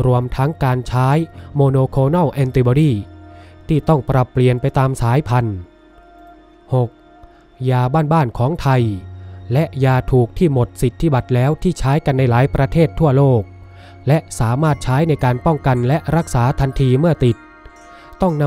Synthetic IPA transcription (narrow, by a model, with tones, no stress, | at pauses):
ɾu˧əmt̪ʰa˦˥ŋkaː˧nt͡ɕʰaː˦˥jmoː˧noː˧kʰoː˧nɔ˥˩wʔɛ˧nt̪i˧bɔː˧ɾiː˥˩t̪ʰiː˥˩t̪ɔ˥˩ŋpɾa˨˦pːli˧ənpa˧jt̪aː˧msaː˩˦jpʰa˧n | ho˨˩k̚ | jaː˧baː˥˩nbaː˥˩nkʰɔː˩˦ŋt̪ʰa˧jlɛ˦˥ʔjaː˧t̪ʰuː˨˩k̚t̪ʰiː˥˩mo˨˩t̪̚si˨˩t̪ʰːi˦˥˩ba˨˩t̪̚lɛː˦˥wt̪ʰiː˥˩t͡ɕʰaː˦˥jka˧nːa˧jlaː˩˦jpɾa˧t̪ʰeː˥˩t̪ʰːu˥˩ɐloː˥˩k̚ | lɛ˦˥ʔsaː˩˦maː˥˩t̪̚t͡ɕʰaː˦˥jna˧jkaː˧npɔ˥˩ŋka˧nlɛ˦˥ʔɾa˦˥k̚saː˩˦t̪ʰa˧nt̪ʰiː˧mɯ˥˩ɐt̪i˨˩t̪̚ | t̪ɔ˥˩ŋn˧